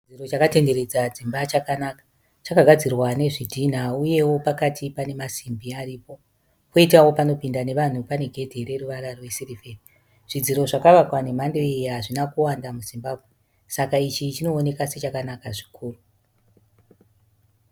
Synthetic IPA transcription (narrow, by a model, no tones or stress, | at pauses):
id͡ziro̞t͡ʃakate̞nde̞ɾe̞d͡zad͡zimbat͡ʃakanaka | t͡ʃakaɡʱad͡zirwane̞ʐidʱin̤auje̞wo̞pakatʰipane̞masimbiaɾiːpo̞ | koitawo̞pano̞pindane̞ʋan̤upane̞ɡʱe̞dʱeɾe̞ruʋaɾarowesiriferi | ʐ̥id͡ziɾo̞ʐakaʋakwane̞mandoejaʐinakuwandamuzimbaːbʱwe | sakait͡ʃit͡ʃino̞ːne̞kase̞t͡ʃakanakaʐi̥kʰuːru